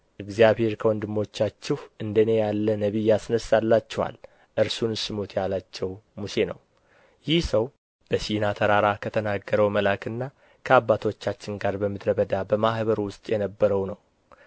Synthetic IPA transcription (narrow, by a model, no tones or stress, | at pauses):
ʔɨɡzijaβhe̞ɾkʰəwɔnd̪ɨmːo̞t͡ʃːat͡ʃːɛhʔɨnd̪əne̞jalːənəβijasnəsːalːat͡ʃːɛwa̰l | ʔɨɾsunsɨmut̪ʰjalat͡ʃːɛwmuse̞nə̰w | jɪhsəw | b̥əsinat̪ʰəɾaɾakʰət̪ʰənaɡːəɾəwməlakʰɨnːa | kʰəabːat̪ʰo̞t͡ʃːat͡ʃːɪŋɡaɾbəmːɨt̪ɾəβəd̪abəmahbəɾwʊst̪ʼjɛnəbːəɾəwnəw